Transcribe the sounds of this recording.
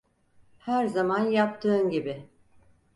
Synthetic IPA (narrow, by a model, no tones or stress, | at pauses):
hæɾzamanjap̚t̪ʰɯːnɟibɪ